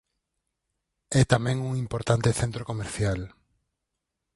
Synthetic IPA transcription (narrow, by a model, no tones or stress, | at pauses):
ɛt̪amɛ̃ŋuŋĩmpoɾt̪ant̪eθent̪ɾokomeɾθjal